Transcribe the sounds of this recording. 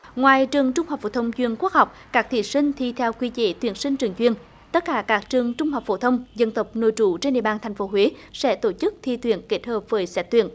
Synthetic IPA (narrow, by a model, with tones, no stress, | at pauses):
ŋwaː˨˩jt͡ɕɨ˨˩əŋt͡ɕʊ˧ŋ͡mha˨˩k͡p̚fo̰˧˥˩t̪ʰə˧wŋ͡mt͡ɕwi˧˨ənku˦˥ək̚ɦa˨˩wk͡p̚kaː˦˥k̚t̪ʰḭ˧˨sï˧ŋ̟t̪ʰi˧t̪ʰɛ˧wkwi˧t͡ɕḛ˧˩t̪wi˧˩ənsï˧ŋ̟t͡ɕɨ˨˩əŋt͡ɕwi˧ən | t̪ə˦˥t̚kaː˧˩kaː˦˥k̚t͡ɕɨ˨˩əŋt͡ɕʊ˧ŋ͡mɦa˨˩k͡p̚fo̰˧˩˦t̪ʰə˧wŋ͡mzə˧nt̪ə˨˩wk͡p̚no̰˧˨jt͡ɕu˧˩˦t͡ɕe˧nɗḭ˧˨əɓaː˧nt̪ʰjŋ̟fo˨˦ɦwe˨˦sɛ̰˧˥t̪o˧˩t͡ɕɨ˦˥k̚t̪ʰi˧t̪wḭ˧˩ənke˦˥t̚həː˨˩p̚vəː˨˦jsɛ˧˦˥t̚t̪wḭ˧˩˨ən